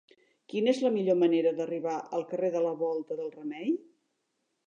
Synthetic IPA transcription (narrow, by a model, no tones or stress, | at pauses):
kinezləmiʎoməneɾəðəriβaʔəlˠkəreðələβɔlˠt̪əðəlˠrəmɛj